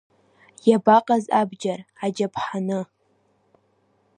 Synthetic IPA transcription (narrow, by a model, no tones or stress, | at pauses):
jabaqʼazabd͡ʒarad͡ʒapʰħanɨ